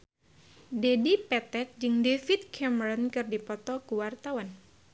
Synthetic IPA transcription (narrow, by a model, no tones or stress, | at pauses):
dɛdipɛt̪ɛk̪̚d͡ʒɨŋdefit̪̚kʰɛmɛɾɔnkɨrdipɔt̪ɔkuwart̪awan